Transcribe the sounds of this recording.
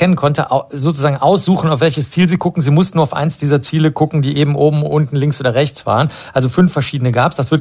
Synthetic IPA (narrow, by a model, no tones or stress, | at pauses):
ɛnənkʰɔntəʔazoːt͡suzaːɡŋ̩ʔaʊsz̥uːxn̩aʊfv̥ɛlçəst͡siːlziːɡʊkŋ̩ziːmʊstn̩uːɐaʊfʔa̰ɪnsd̥iːzɐt͡siːləɡʊkŋ̩diːʔeːbm̩ʔoːbm̩ʔʊntn̩lɪŋksʔoːdɐʁɛçt͡sv̥a̰ːʁən | ʔalzofʏnfɛɐʃiːdənəɡaːpsd̥asv̥ɪɐt